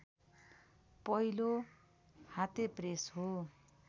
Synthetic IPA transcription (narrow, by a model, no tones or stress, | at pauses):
pʌilo | hat̪epresɦo